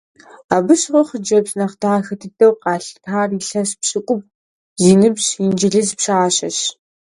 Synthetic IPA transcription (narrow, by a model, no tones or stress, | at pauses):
aːbɨɕʁʷɔχəd͡ʒɐbznɐχtʰaːxɐtʰɨdʼɐwqɑːɬtʰaːriɬɐspɕʼɪkʷʼʊp̚ | ziːnɨbɕind͡ʒɪɮɨzpɕaɕɐɕ